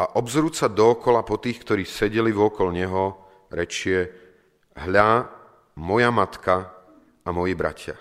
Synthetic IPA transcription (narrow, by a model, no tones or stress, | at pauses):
aʔɔbzɾuːsad̪ɔːkɔlapɔt̪iːxkt̪ɔɾiːsɛɟɛliʋɔkɔlɲɛɦɔ | ɾɛt͡ʃɪɛ | ɦʎa | mɔjamat̪ka | amɔjibɾa̰cʰɪa̰